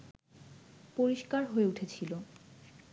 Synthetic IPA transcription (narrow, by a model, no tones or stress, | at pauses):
poɾiʃkaɾɦoeuʈʰet͡ɕʰilo